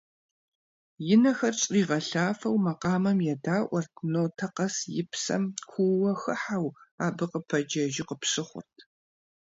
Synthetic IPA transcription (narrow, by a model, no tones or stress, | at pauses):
jɪnɐxɐrɕʼiːʁɐɬaːfɐwmɐqɑːmɐmjɛdaːʔʷɔrtʰnoːtʰɐqɐsjɪpsɐ̰mkʷʰuwɐxɨħawaːbɨqəpʰɐd͡ʒɐʒɪqəpsɨχʷʊ̰rtʰ